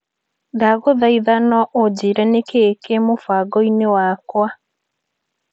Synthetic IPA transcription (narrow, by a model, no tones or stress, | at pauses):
daɣoðaiðanɔʔod͡ʑiɾɛnekekemofaɡɔinewakwa